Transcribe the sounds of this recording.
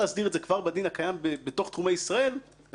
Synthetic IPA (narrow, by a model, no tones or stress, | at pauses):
easdiʁedzekv̥aʁbad̪inhakajambebet̪o̞χt̪χumejisʁae̞l